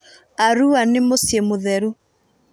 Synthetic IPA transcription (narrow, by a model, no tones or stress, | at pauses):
aɾuanemosjemoðɛɾu